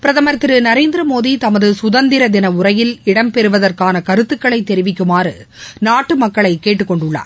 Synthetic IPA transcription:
pɪɾɐðɐmɐɾɐt̪ːɪɾɯnɐɾeːnd̪ɪɾɐmoːðit̪ɐmɐðɯsʊðɐnd̪ɪɾɐd̪ɪnɐʊɾɐjɪlɪɽɐmpɛɾɯʋɐðɐrkaːnɐkɐɾɯt̪ːɯkːɐɭɐɪt̪ːɛɾɪʋɪkːɯmaːrɯnaːʈːɯmɐkːɐɭɐɪkːeːʈːɯkːɔɳɖʊɭːa̰ːɾ

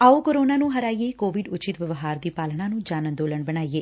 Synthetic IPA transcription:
aːoːkoɾoːnaːnũːɦəɾaːijeːkoːʋɪɖʊt͡ʃɪt̪ʋəʋɦaːɾd̪iːpaːlɳãːnũːd͡ʒaːnənd̪oːləɳbəɽ̃aːiːeː

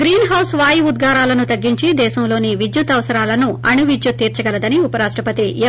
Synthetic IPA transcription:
ɾiːnɦɐwsʋaːjiud̪ɡʱaːɾaːlɐnut̪ɐɡːiɲt͡ʃid̪ɛːʃɐmlo̞ːniʋid͡ʒ̪jut̪ɐʋɐsɐɾaːlɐnuʔɐɳuʋid͡ʒ̪jut̪ːiːɾt͡ʃɐɡɐlɐd̪ɐniupɐɾaːʂʈɾɐpɐt̪ie

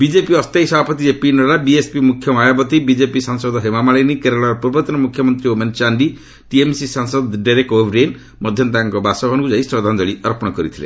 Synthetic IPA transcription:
bid͡ʒepiʌst̪ejsʌbʱapʌt̪iepinɔɾabiespimukʰːjʌmajabʌt̪ibid͡ʒepisansɔd̪ɦemamaɭenikeɾeɭaɾpuɾbɔt̪ɔnɔmukʰjʌmʌnt̪ɾioment͡ʃaɳɖi | ʈiemsisansɔd̪ɖajɾek̚ʈobʱɾen | mʌd̪ʱjʌnt̪aŋkɔbasɔbʱɔnkud͡zaisɾʌd̪ʱand̪ʌɭiʌɾpñɔkʌɾit̪ʰilḛ

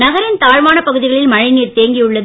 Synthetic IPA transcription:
nɐɣɐɾɪnt̪aːɻʋaːnɐpɐɣɯðɪɣɐɭɪlmɐɻɐɪniːɾt̪eːŋɡijɯɭːɐð

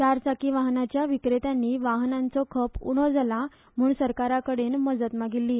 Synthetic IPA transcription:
t͡ɕaɾsakiːʋaɦnat͡ɕjaʋikɾet̪anːiːʋaɦnãnt͡sɔkʰəpṵɽ̃ɔd͡zala | m̤uːɳsəɾkaɾakəɽenməd͡zət̪maɡilːiː

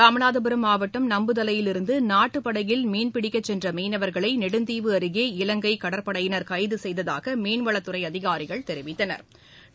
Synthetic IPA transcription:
ɾaːmɐnaːðɐbɯɾɐmaːʋɐʈːɐmnɐmbɯt̪ɐlɐjɪlɪɾɯnd̪ɯnaːʈːɯpːɐɽɐjɪlmeːnpɪɽɪkːɐt͡ʃːɛndrɐmeːnɐʋɐɾɣɐɭɐɪnɛɽɯnd̪iːʋɯɐɾɯɣeːɪlɐŋɡɐɪkɐɽɐɾpɐɽɐjɪnɐɾkɐɪðɯsɛjðɐða̰ːɣɐmeːnʋɐɭɐt̪ːɯɾɐɪɐðɪɣaːɾɪɣɐɭt̪ɛɾɪʋɪt̪ːɐnɐ̰ɾ

